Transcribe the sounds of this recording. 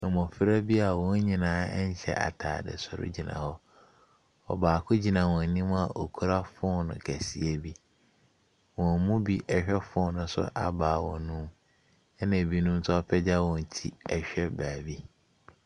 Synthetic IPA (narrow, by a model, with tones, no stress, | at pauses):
mɔ̃˨fɪ˦ɾæ˦bi˦a˨wɔ̃˦ɲ˦ɲĩ˨nãː˦ɲ˦ɕɛ̰˨ʔa̰˨tʰa̰ː˨dɪ̰˨sʊ˨ɾʊ̰˦d͡ʑi˨nã̰˨hɔ˦ | ɔ̰˨baː˨kʰʊ˦d͡ʑi˨nã˨wɔ̃˨n˨nĩ˦m˦a˨ʔo˨kʰu˦ɾa˦fʊ˦nʊ̰̃˨kʰæ˨si˨e˦bi˦ | wɔ̃˨mũ˦bi˦ʔɛ˨ɕᶣɛ˦fʊ˦nʊ̃˦sʊ̰˦ʔa˨baː˨wɔ̰̃˨nʊ̃˦m | ɛ˦nã˨bi˦nʊ̃˦mtʰʊ˦ɔ˦pʰɛ˦d͡ʑa˦wɔ̃˨n˨tʰi˦ɛ˨ɕᶣɛ˦baː˨bi˦